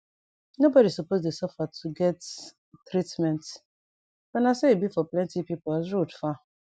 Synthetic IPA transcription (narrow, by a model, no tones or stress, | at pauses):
nobɔɾisupozdesɔfatʰuɡɛt | tɾitmɛ̃nt | wɛ̃naseibifɔplɛ̃ntipipozɹudfa